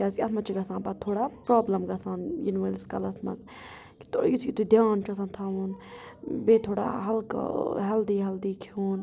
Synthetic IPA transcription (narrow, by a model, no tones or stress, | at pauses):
aːsʲɐt̪mɐt͡ʃʰiɡɐsãːnbat̪ʰːoːɽaːpɾaːblɐmɡɐsaːnjinʋəlskɐlɐsmɐ̰t͡s | ki̥t̪ojit̪ʰjit̪ud̪ʲjaːnt͡ʃʰɐsãːnt̪ʰaːʋun | beːt̪ʰoːɽa̰ːɦɐlkɦɐld̪iːɦɐld̪iːkʰiuːn